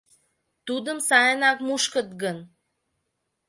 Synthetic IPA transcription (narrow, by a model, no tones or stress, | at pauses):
t̪ud̪ə̆msɑjənɑkmuʃkə̆t̪̚ɡən